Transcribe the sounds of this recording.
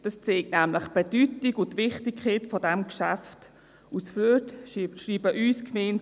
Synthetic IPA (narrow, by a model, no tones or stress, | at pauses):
d̥ɑst͡seːk̚tnɛmləχb̥edytikʊntvɪχtikʰχeːtfɔdɛmkʃa̰ft | usfytʃriːbəʔyːskmeːnt